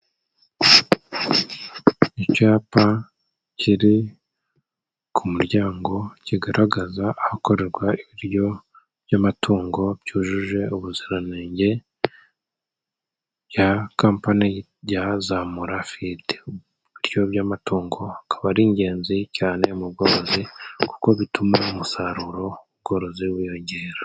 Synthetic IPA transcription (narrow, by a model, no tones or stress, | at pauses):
icaːpa | cʰiɾi | kʰumuɾɟaːŋɡo̞ciɡaɾʔaɡazaahako̞ɾe̞ɾɡwaiβiɾjo̞ | b̥jamatʰuːŋɡo̞bjuːʒuʒe̞uβuziɾaneːɲɟe̞ | jakaːmpani | jazamuɾafide | iɾjo̞βjamatuːŋɡo̞akʰaβaɾiːɲɟe̞ːnzicaːne̞mubɡo̞ɾo̞ziku̥ko̞βitumaumusaɾuɾo̞uβ̚ɡo̞ɾo̞ziwijoɲɟe̞ːɾḁ